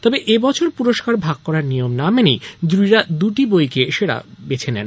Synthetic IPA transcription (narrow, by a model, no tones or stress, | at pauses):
t̪ɔbeʔebɔt͡ɕʰoɾpuɾoʃkaɾbʱaɡ̚kɔɾaɾnijomnamenijd̪ɾuiɾad̪uʈibojkeʃeɽa̰bet͡ɕʰenɛ̰n